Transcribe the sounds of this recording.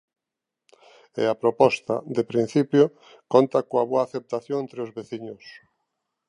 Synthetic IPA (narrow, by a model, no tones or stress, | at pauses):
ɪ̰apɾopɔst̪a̰d̪epɾin̟θipjo | kont̪akoaβoaθep̚t̪aθjoŋẽnt̪ɾeozβeθiɲʊs